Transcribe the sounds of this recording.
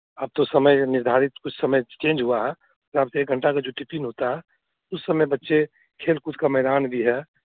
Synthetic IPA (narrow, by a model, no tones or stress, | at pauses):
aːb̚t̪osəməjnɪɾd̪ʱaːɾɪt̪kʊt͡ʃʰsəməjt͡ʃẽːnd͡ʒɦuaɦɛ | taːbseeːk̚ɡʱəɳʈakad͡ʒoʈipinɦot̪aɦɛ | ʊsːəməjbətːʃe | kʰeːlkʊt͡ʃʰkamɛɦd̪aːnbʱiɦɛː